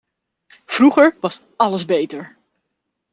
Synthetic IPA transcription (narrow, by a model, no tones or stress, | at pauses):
fruχəɹʋɑs | ɑləzbejtəɹ